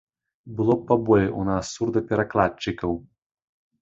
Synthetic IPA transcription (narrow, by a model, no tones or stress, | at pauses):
bɨlˠɔːabɔlʲɛʔunasːurd̪ɐpʲɛɾaklˠat͡ʃːɨkɐw